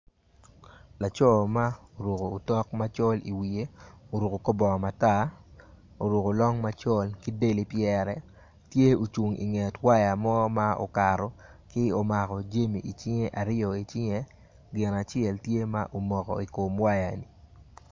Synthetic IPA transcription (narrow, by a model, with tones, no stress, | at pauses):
la˨t͡ʃɔ˦ma˦o˨ɾu˨koː˨tɔ˦kma˦t͡ʃɔ˦lḭ˨wi˨e˦o˨ɾu˨ko˨ko˦bɔ˨ma˨ta˦˨ | o˨ɾu˨ko˨lɔ˦ŋma˦t͡ʃɔ˦lkɪ˦de˦li˨˦pjɛ˦ɾɛ˨ | tje˦o˨t͡ʃu˨ŋʔḭ˨ŋɛ˨twa˦ja˨mɔ˦ma˦o̰˨ka˨ɾɔ˨kɪ˦o˦ma˨kɔ˨d͡ʒe˦mi˨i˨t͡ʃɪ˦ŋe˦ʔa˨ɾɪjɔ˨i˨t͡ʃɪ˦ŋe˦ | ɡɪ˨na˨t͡ʃɪɛ˨ltje˦ma˦ʔo˨mɔ˨kɔ̰˨i˨ko˨mwa˦ja˨ni˨